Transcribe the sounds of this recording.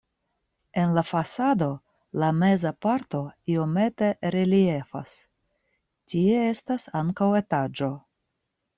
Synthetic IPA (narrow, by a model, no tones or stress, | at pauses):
e̞nlafasado̞ | lame̞zapaɾto̞io̞me̞te̞ɾelie̞fa̰s | tie̞e̞stasaŋkawe̞tad͡ʒo̞